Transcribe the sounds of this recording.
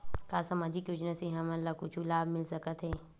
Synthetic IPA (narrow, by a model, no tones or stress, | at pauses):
kaːsamaːd͡ʒɪkjoːd͡ʒnaseɦɐmɐlːakut͡ʃʰulaːbmɪlsɐkət̪ɦɛː